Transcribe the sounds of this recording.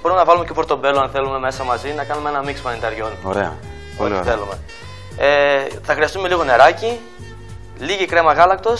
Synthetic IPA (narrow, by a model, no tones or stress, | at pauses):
boɾumenɐvɐlumecopɾot̪o̞be̞loɐnθe̞lume̞me̞sɐmɐzinɐkɐnumeenɐmikspɐnind̪ɐɾʝo̞noɾeɐ̰ | otiθe̞lume̞ | eθɐxɾiɐst̪ume̞liɣo̞ne̞ɾɐci | liʝikɾe̞mɐɣɐlɐkt̪o̞s